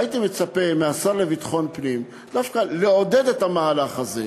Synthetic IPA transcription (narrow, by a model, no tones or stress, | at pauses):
jit̪ime̞t͡sape̞measaʁle̞vit̪χo̞npnim | d̪afkaleo̞de̞d̪e̞t̪hamaalaχazḛ